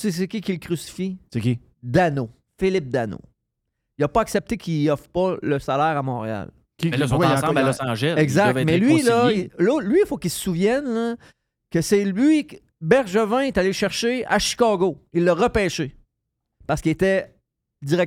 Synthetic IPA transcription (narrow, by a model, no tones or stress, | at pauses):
ses̬əkʲikʲilkʁysi̥fisekʲi | d̪ano | fɪlɪp̚d̪ano̰ | iləpɔaksɛp̚t̪ekʲʰiiɔfʁpʌləsalɛːʁamɔ̃ːʁea̰l | kʲiɛaɔsɑ̃ʒɛɛɡzaktvɛmɛlɥilʌilolɥifokʲilsə̥suvjɛnlə | kəsɛlɥi | bɛʁʒəvɛ̃ɛt̪aleʃɛʁʃea̰ʃi̥kɑːɡoilːəʁəpɛːʃe | paʁskʲilet̪ɛ | d̪iʁɛ